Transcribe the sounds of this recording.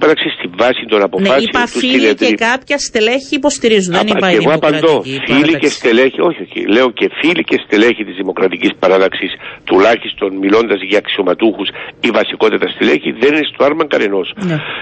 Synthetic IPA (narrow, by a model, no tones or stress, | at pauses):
pɐðɐksist̪iɱvɐsind̪o̞nɐpofɐsit̪usinet̪eikɐpçɐst̪eleçiːpost̪iɾizuneɣoɐpɐnd̪o̞filikest̪eleçio̞çioçḭle̞oce̞filicest̪eleçit̪izðimo̞kɾɐt̪icispɐɾɐðɐksist̪ulɐçist̪o̞nmilo̞nd̪ɐzʝɐːksio̞mɐt̪uxusivɐsiko̞t̪it̪ɐst̪ileçiðeninist̪oɐɾmɐŋɡɐneno̞sn